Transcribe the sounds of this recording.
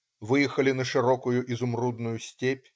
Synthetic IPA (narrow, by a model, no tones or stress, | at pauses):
vɨjɛxɐlʲinɐʂɨɾɔkʊjʊʔizʊmrud̪nʊjʊsʲtʲepʲ